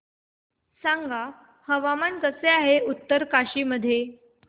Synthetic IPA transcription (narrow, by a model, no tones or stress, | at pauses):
saŋɡa | həʋamankəseaɦeut̪ːəɾkaɕiːməd̪ʱːje